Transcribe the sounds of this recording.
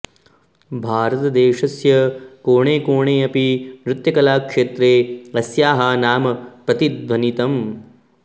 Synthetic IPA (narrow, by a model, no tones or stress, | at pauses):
bʱaːɾɐt̪ɐd̪eːʂɐsjɐkoːɳeːkoːɳeːɐpinɾut̪jɐkɐlaːkʂeːt̪ɾeːɐsjaːɦaːnaːmɐpɾɐt̪id̪ʋɐnit̪ɐm